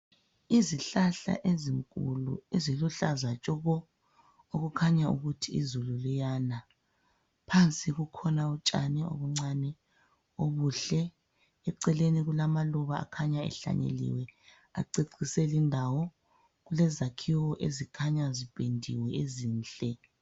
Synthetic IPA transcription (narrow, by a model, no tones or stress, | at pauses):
iziɬaɬa̰ʔeziŋkʼṵlṵeziluɬazat͡ʃʼɔɣɔ | oɣukʰaɲaṵɣutʰiizululijaːna | pʰant͡sʼiɣukʰɔnaut͡ʃʼanɛo̰βuŋ͡ǀanɛ | oβuːɬɛ | ɛǀɛleniɣulamaluβa̰ːkʰaɲaɛ̰ɬa̰ɲḛlḭwɛ | aǀiǀʰisɛlindʱawɔ | ɣulɛzakʰiwɔʔezikʰaɲazipʼendʱḭwɛeziːnɬʼɛ